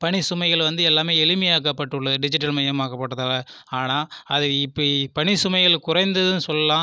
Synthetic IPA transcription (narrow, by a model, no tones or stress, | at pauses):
pɐɳɪsʊmɐɪɣɐɭʋɐnd̪ɯɛlːaːmeːɛlɯmɪjaːkɐpːɐʈːɯɭːɐðɯɖɪd͡ʒɪʈːɐlmɐjɐmaːkɐpːɐʈːɐðaːlɐ | aːnaːɐðɯɪpːɐpɐnɪsʊmɐɪɣɐɭkʊɾɐɪnd̪ɐðɯnɯsɔlːɐlãː